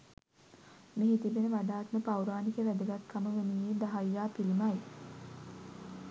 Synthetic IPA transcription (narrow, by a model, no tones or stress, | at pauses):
meɦit̪ibenəʋaɖaːt̪məpawɾaːnikəʋæd̪əɡat̪kʰːaməʋenijeːd̪aɦajːaːpilimaj